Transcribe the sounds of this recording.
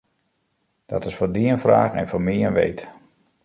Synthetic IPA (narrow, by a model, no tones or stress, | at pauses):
d̥ɔtɪsfoːrdiənfra̰ːɣɛ̰nfomiənʋḛjt